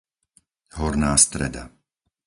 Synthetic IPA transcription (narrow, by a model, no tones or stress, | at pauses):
ɦɔɾnaːst̪ɾɛ̰d̪a̰